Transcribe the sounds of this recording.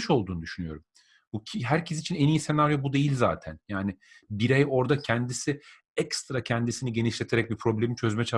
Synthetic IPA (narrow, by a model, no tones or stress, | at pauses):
ʃo̞lˠd̪uːnud̪yʃynyjo̞ɾum | buɦæɾcʰesit͡ʃʰinenijise̞naɾjo̞bud̪e̞jilʲzaːt̪ʰænjaːnɪbiɾɛjo̞ɾd̪acʰɛnd̪isi | ɛkst̪ɾacʰɛnd̪isiniɟe̞niʃlʲe̞t̪ʰe̞ɾɛc̚bipʰɾo̞blʲemint͡ʃʰø̞zmɛt͡ʃʰa